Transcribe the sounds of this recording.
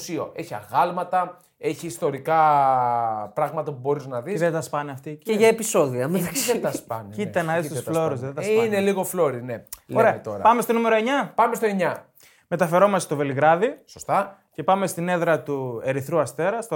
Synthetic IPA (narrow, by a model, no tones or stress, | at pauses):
sio̞̰ʔe̞çiɐ̰ɣɐlmɐt̪ɐ | eçiːst̪o̞ɾikɐ | pɾɐɣmɐt̪ɐpubo̞ɾiznɐðisðet̪ɐspɐneɐft̪ieʝɐepiso̞ðiɐmeɐspɐncit̪ɐnɐðist̪uflo̞ɾusðet̪ɐsineliɣo̞flo̞ɾineloɾeɐet̪o̞ɾɐ̰pɐme̞st̪o̞nume̞ɾo̞e̞ɲɐpɐmest̪o̞eɲɐ | met̪ɐfe̞ɾo̞mɐsest̪ove̞liɣɾɐðisost̪ɐ | ce̞pɐme̞st̪ine̞ðɾɐt̪ue̞ɾiθɾuɐst̪e̞ɾɐst̪o